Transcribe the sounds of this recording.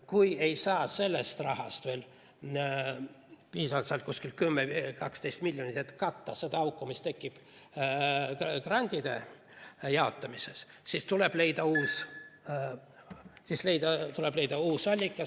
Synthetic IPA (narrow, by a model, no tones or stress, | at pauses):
kuje̞jsɑːse̞lːest̪rɑhɑst̪ve̞ːl | piːsɑvɑlt̪sɑlt̪kuskil̚kymːekɑkst̪ejst̪milʲjonʲit̪et̪ːkɑt̪ːɑse̞d̪̥ɑɑwkːˑumist̪e̞kˑːib̥ | krɑnʲd̪̥ʲid̪̥e̞̰ | jɑo̞t̪ːˑɑmise̞s | sist̪uleb̥le̞jd̪̥ɑuːs | sisle̞jd̪̥ɑt̪uleb̥le̞jd̪ɑuːsvɑlʲːikːˑɑ